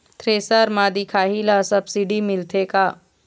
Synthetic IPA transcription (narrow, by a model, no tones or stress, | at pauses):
t̪ɾeːsəɾmaːd̪ikʰaːɦilasɐbsiɖimɪlt̪ʰeːkaː